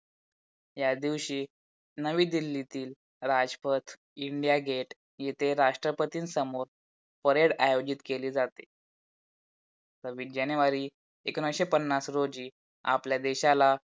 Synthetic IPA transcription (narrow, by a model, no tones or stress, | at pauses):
jad̪iʋɕiː | nəʋiːd̪ilːit̪iːl | ɾad͡ʑpət̪ʰ | iɳɖijaɡʱeʈ | jet̪ʰeɾaʂʈɾəpət̪iːnsəmoɾ | pəɾeɽajod͡ʑit̪keliːd͡zat̪e | t̪əɾʋiʈd͡ʑaneʋaɾiː | eknəɕepənːasɾod͡ʑiː | a̰pljad̪eɕala